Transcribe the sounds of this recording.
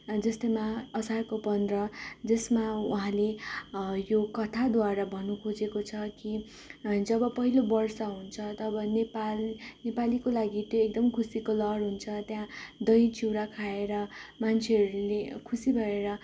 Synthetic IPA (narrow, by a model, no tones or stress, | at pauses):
d͡zʌst̪ʌmaʌsarkopʌnd̪rʌd͡zʌsmauɦãle | jokʌt̪ʰad̪waɾabʱʌnukʰod͡zekot͡sʰʌki | d͡zʌbʌpʌɦilobʌrsʌɦunt͡sʰʌt̪ʌːbʌnepalnepalikolaɡit̪joek̚d̪ʌmkʰusikolʌɽɦunt͡sʰʌt̪jãd̪ʌjt͡siwɾakʰaeɾʌmant͡sʰeɦʌɾulekʰusibʱʌɾeɾʌ